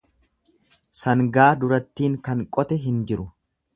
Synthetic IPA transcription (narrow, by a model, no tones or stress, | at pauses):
sɐŋɡaːd̪ʊɾɐt̪ːiːŋkɐŋkʼɔt̪ɛɦɪnd͡ʒɪɾʊ